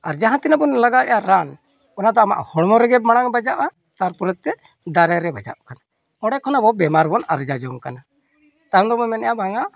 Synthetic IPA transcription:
aɾd͡ʒaɦãt̪inabɔnlaɡaɛjaɾan | ɔnad̪ɔama̰ʔhɔɽmɔɾɛɡɛmaɽ̃aŋbad͡ʒaʔa | t̪aɾpɔɾɛt̪̚t̪ːɛ | d̪aɾɛɾɛbad͡ʒa̰ʔkana | ɔɽɛkʰɔnabɔbɛmaɾbɔnaɾd͡ʒad͡ʒɔŋkana | t̪aɾd̪ɔmɔmɛnɛjabʱaŋa

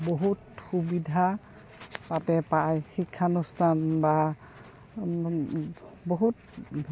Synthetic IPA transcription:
boɦutxubidʱa | patɛpajxikʰːanustʰanba | boɦut̚

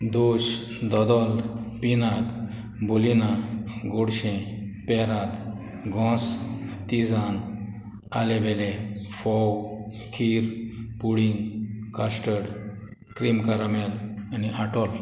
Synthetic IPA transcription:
d̪oɕ | d̪ɔd̪ɔlpinak | bolinaɡoɽɕẽpɛɾat̪ | ɡʱɔ̃st̪id͡zãn | alebɛlefɔw | kʰiɾpuɽiŋɡkasʈəɽ | kɾimkaɾamɛlaniʔaʈɔl

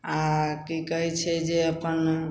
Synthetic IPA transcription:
akikəɦɛt͡ʃʰɛd͡ʒeəpən

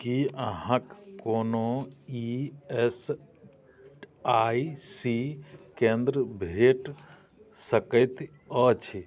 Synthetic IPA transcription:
kiəɦãkkonoies | aisikẽnd̪ɾəbʱeʈ | səkət̪ | ɔt͡ʃʰi

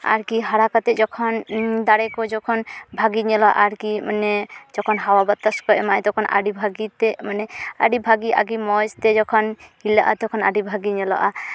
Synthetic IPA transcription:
a̰ɾkiɦaɽakat̪ɛd͡ʒɔkʰɔnd̪aɽɛkɔd͡ʒɔkʰɔnbʱaɡiɲɛlɔʔaɾkimanɛd͡ʒɔkʰɔnɦawabɔt̪ːaskɔɛmaɛ̃t̪ɔkʰɔnʔa̰ɖibʱaɡit̪ɛmanɛa̰ɖibʱaɡiʔa̰ɡimɔjst̪ɛd͡ʒɔkʰɔnhilaʔa̰t̪ɔkʰɔna̰ɖibʱaɡiɲɛlɔ̰ʔa

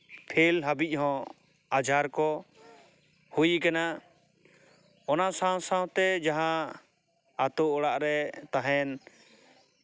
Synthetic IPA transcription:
pʰelɦabic̚ˀɦɔ̃ | ad͡ʒʱaɾkɔ | hujkana | ɔnasãw̃sãw̃t̪ɛd͡ʒaɦã | at̪ɔɔɽaʔɾɛt̪aɦɛn

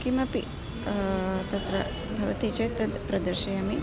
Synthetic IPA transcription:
kimɐpḭ | t̪ɐt̪ɾɐ | bʱɐʋɐt̪it͡ʃɐjt̪ɐd̪pɾɐd̪ɐɾʃɐjɐmi

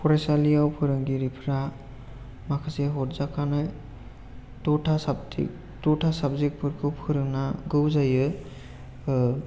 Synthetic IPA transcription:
pʰɔɾasalijawpʰɯɾɯŋɡiɾipʰɾa | makʰaseɦɔɾzakʰanɯj | tɔʈʰasab̰ | tɔʈʰasabzek̚pʰɯɾkʰɯwpʰɯɾɯŋnaɡɯwzajɯ

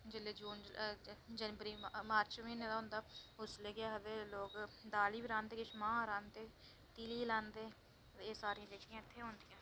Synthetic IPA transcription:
d͡ʒɪleːd͡ʒuːn | d͡ʒənbəɾiːmaːɾt͡ʃʋẽːnẽːd̪aɦʊ̃ːnd̪aːʊsleːɡɪjaːɦəd̪eːloːkd̪aːliːbiːɾãːnd̪eːkɪʃmãːɾãːnd̪eː | t̪iːliːlãːnd̪eː | eːsaːɾĩãːd͡ʒ̪eːkʰːijãːɪt̪ʰːeːɦõːnd̪ijãː

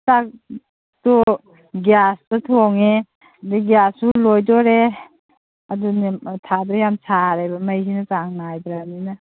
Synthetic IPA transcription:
tak | tɔ | ɡjastɔtʰɔŋe | diɡjasulojdɔɾe | aduntʰadɔjamsʰaɾajbamajsinat͡ʃaŋnajbɾanina

